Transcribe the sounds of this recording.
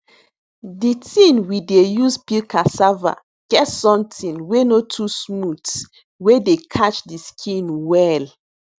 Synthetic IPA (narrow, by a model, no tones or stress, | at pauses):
ditʰĩnwidejuzpilkʰasava̰ | ɡ̥ɛtsɔ̃mtʰĩnwenotʰusmuts | wedekʰat͡ʃdiskʰĩnwɛl